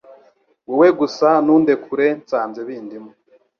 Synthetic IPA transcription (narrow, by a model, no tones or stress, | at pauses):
weweɡusanuːnde̞kʰuɾe̞nt͡saːnzeβiːndimo